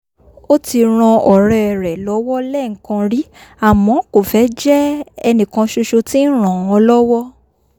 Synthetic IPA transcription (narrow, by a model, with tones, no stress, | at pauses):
o˦ti˧ɾ̃ã˧ɔ˨ɾɛ˧˨ɾɛ˨lɔ˨˦wɔ˦lɛ˦˨ŋ̩˨˦kã˧ɾi˦a˦˨mɔ̃˨˦ko˨fɛ˨˦d͡ʒɛ˦ɛ˧nĩ˨kã˧ʃo˧ʃo˧ti˦n̩˦ɾ̃ã˨w̃ɔ̃˧˦lɔ˦wɔ˦